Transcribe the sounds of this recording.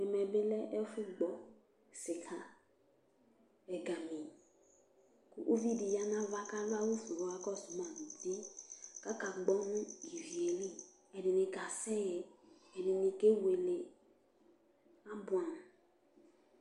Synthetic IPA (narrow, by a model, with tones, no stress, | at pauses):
ɛ˨mɛ˨bɪ˦lɛ˦ʔɛ˦fʊ˦ɡ͡bɔ˨ | sɪ˨kʰa˦ | ɛ˨ɡa˨mĩ˨ | kʊ̰˨ʔo˦vi˦di˨ja˦nã˦va˦ka˦va˦wu˦fu˨wa˦kɔ˦sʊ˨mã˨n˨di˦ka˦ka˨ɡ͡bɔ˦nũ˦ɡi˨vi˨e˨li˦ | ɛ˨nɪ˨nɪ̃˨ka˨sɛ˦jɛ˨ | ɛ˨nɪ˨nĩ˨ke˦we˨le˨ | a˦bʊ˦ã˨n˨